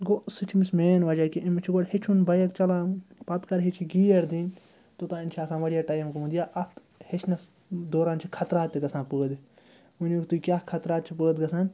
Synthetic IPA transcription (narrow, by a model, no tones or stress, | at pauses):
ɡosɨt͡ʃʰimismeːnʋɐd͡ʒaːkiʔimt͡ʃʰiɡoɽhit͡ʃʰunbɐjɐkt͡ʃɐlãːpɐt̪kɐɾɦit͡ʃʰiɡiːɐɾd̪inʲ | t̪ot̪ãːint͡ʃʰaːsãːnʋɐɽijaːʈɐːjɐmkumũnd̪ijaːʔɐt̪ | het͡ʃʰnɐs | d̪oːɾaːnt͡ʃʰikʰɐt̪ɾaːt̪iɡɐsãːnpəːd̪ | unːkt̪uikʲaːkʰɐt̪ɾaːt̪t͡ʃʰipəːd̪ɡɐsãːn